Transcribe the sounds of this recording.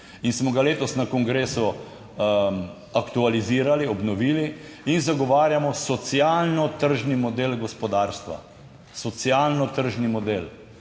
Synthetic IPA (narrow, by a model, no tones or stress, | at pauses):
insmɔɡaleːt̪ɔsnakɔŋɡɾeːsɔ | akt̪ualiziːɾaliɔbnɔʋiːli | inzaɡɔʋaːɾjamɔsɔt̪sjaːlnɔt̪əɾʒnimɔd̪eːlɡɔspɔd̪aːɾst̪ʋa̰ | sɔt̪sialnɔt̪əɾʒnimɔd̪eːl